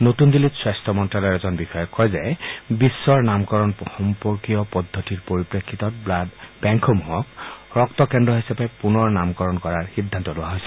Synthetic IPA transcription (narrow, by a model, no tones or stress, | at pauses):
notundilitswɛstʰɔmɔntɹalɔɛɛzɔnbixɔjɔkʰːɔjzɛbisːɔɹnamkɔɹɔnxɔmpɔɹkijɔpɔdʱːɔtiɹpoɹipɹekʰːitɔt̚bladbɛŋkʰɔmuɦɔkɹɔktɔkɛndɹɔɦisapɛpunɔɹnamkɔɹɔnkɔɹaɹhid̪ʱːantɔlʊwaɦojsɛ